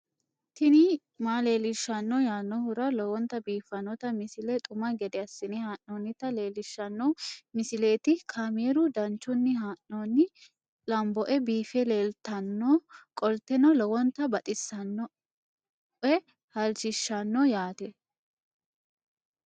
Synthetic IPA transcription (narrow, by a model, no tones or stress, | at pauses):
t̪ɪnɪ | maːle̞ːlɪʃːɐnːɔjaːnːɔhʊɾɐlɔwɔnt̪ɐbiːfːɐnːɔt̪ɐmɪsɪlɛt̪ʼʊmɐɡɛd̪ɛɐsːɪnɪhaːʔːoːnːɪt̪ɐle̞ːlɪʃːɐnːɔmɪsɪle̞ːt̪ɪkʰameːɾʊd̪ɐnt͡ʃːʊnːɪɦaːʔːoːnːɪ | lɐmbɔʔɛbiːfɛle̞ːlt̪ɐnːoːkʼɔlt̪ːɛnɔlɔwɔnt̪ɐbɐt̪ʼɪsːɐnːɔ | ʔɛ | hɐlt͡ʃɪʃːɐnːɔjaːt̪ɛ